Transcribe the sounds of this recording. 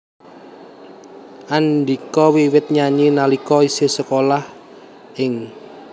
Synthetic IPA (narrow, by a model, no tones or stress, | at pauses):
ʔand̪ikɔwiwɪt̪̚ɲaɲinalikɔisɪsəkolah | ʔɪŋ